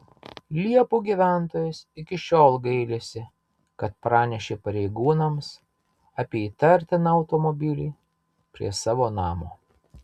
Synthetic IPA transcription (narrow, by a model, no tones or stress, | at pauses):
lʲiɛpuːɡʲiːʋʲæˑnt̪oːjʊsɪkʲɪʃʲoːlˠɡɐɪlʲeːsʲɪ | kɐt̪̚pɾɑːnʲɛʃʲepɐɾʲɛɪɡuːnɐms | ɑpʲiɛiːt̪ɐɾʲt̪ʲɪnɐɐʊt̪oːmobʲɪlʲiː | pʲɾʲḭɛsɑːʋoːnɑːmo̰ː